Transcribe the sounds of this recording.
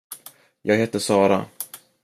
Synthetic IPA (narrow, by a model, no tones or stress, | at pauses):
jɑːɡheːt̪ːəsɑːɾa̰